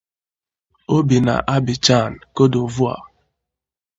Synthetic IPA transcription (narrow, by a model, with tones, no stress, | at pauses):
o˦bi˨na̰˨ʔa˦bi˨t͡ʃa˦˨n̩˨ko˦do˨vu˦a̰˨